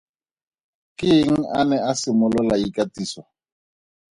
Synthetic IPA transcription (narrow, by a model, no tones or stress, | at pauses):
kʼɪŋ̩anɛasɪmʊlʊlaikʼatʼiːswa